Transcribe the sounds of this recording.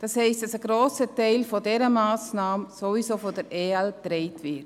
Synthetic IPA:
d̥ɑshɛɪstd̥ɑsəɡɾoːsətɛɪlfɔdɛɾəmaːsnɑːmsovisoːfɔdɛɾeːɛltɾɛɪtvɪt

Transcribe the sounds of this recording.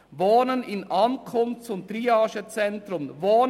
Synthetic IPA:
voːnənɪnɑnkʰʊnft͡sʊntɾiːɑːʃət͡sɛntɾʊmvoːn

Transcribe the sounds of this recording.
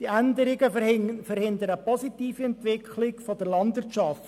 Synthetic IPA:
d̥iændəɾɪɡəfəɾhɪndəɾəpɔsitiːfiɛntʋɪkʰlɪkfodəɾlɑndʋɪt͡ʃɑft

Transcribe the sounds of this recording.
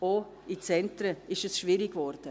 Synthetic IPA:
o | it͡sɛntɾəɪʃəsʃviːɾiɡvɔɾd̥ə

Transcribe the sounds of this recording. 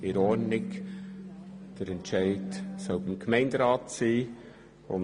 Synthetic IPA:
ɪɾɔɾnɪk | d̥əɾɛntʃæɪdsœʊbɪmkʰmɛɪndɾɑːtsiː | ʊ̰n

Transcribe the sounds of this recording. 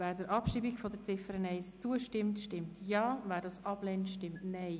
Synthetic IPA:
væːɾdəɾʔɑpʃiːbikfɔdəɾt͡sɪfəɾənɛɪst͡suəʃtɪmtʃtɪmtʰjɑːvæːɾdɑsɑb̥lɛntʃtɪmtnɛɪ

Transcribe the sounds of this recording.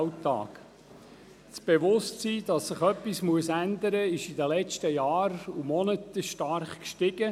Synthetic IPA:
tɑ̰ːk | t͡sb̥eʋʊstsiːd̥ɑsːɪχœpːismuəsænd̪əɾəɪʃidəlɛt͡ʃtəjɑːɾumɔnət̪əʃtɑɾχkʃtɪɡ̥ə

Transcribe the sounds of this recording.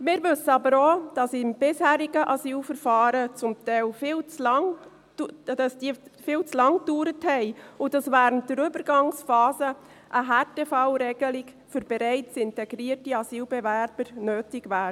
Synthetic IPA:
mɪːɾʋɵsəɑbəɾoːd̥ɑsɪmb̥ɪshæːɾiɡəʔɑsyːlfəɾfɑːɾət͡sʊmtɛɪlfɪːlt͡slɑŋ | dɑsd̥iːfɪːlt͡slɑŋd̥uːɾəthɛɪʊdɑsʋæːɾənt̚d̥əɾʏbəɾɡɑŋsfɑːzə | ʔəɦɑːtefɑʊɾɛɡ̥əlɪɡ | fʏɾb̥ɛɾɛɪt͡sɪntɛɡ̥ɾiːərtiɑsiːlbɛvæɾb̥əɾnøːtɪɡvæːɾə

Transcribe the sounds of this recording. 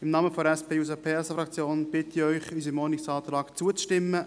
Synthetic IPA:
ɪmnɑːməfɔɾɛspeːus̬əpʰeːɛsəfɾɑkt͡sjoːnb̥ɪt̪ɪœʏχys̬əmɔnɪksɑːt̪ɾɑːkt͡suət͡sʃtɪmːə

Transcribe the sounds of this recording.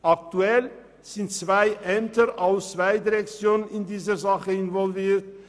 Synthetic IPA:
ʔak̚tuɛl | z̥ɪntt͡sv̥aɪʔɛmtəʔaʊst͡sv̥aɪdiʁɛkt͡sjoːnnɪndiːzəzaχəɪnvɔlviːt

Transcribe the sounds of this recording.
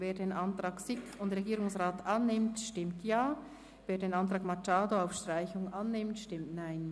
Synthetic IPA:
veːdeːnʔantʁaːksɪkʰʊndʁeɡiːɾʊŋsʁaːtʔanːɪmtʃtɪmtjaː | veːdeːnantʁ̥aːkmat͡ʃaːdoaʊfʃtʁ̥aɪçʊŋʔanːɪmtʃtɪmtnaɪn

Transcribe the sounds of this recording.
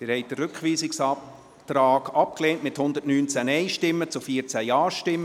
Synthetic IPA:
d̪̥ɪɾhɛɪt̚d̥ərʏkχʋiːsɪksɑp | t̪ɾɑːɡɑp̚kleːntmɪthʊnd̪ətnyːnt͡sænɛjʃtɪmːət͡sʊfiət͡sæjɑːʃtɪmːə

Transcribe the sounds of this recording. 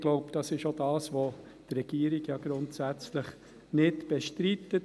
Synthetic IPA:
ɡ̥loʊpd̥ɑsɪʃodɑːsʋo | d̥̪ɾɛɡ̥iːəɾiɡjɑːɡɾʊntsæt͡sləχ | nɪtb̥eʃtɾitːət

